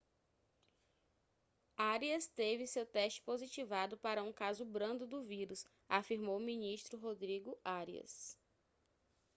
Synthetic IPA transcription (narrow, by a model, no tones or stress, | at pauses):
aɾiɐst̪evɪsewt̪ɛʃt͡ʃɪ̥pozit͡ʃivad̪ʊpaɾɐũkazʊbɾɐ̃nd̪ʊd̪ʊviɾʊs | afiɾmowmĩniʃt̪ɾʊɦod̪ɾiɡʊaɾiɐ̰s